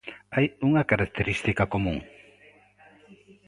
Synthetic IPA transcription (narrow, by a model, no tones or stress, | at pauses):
ajʊŋakaɾak̚t̪eɾist̪ɪkakomʊŋ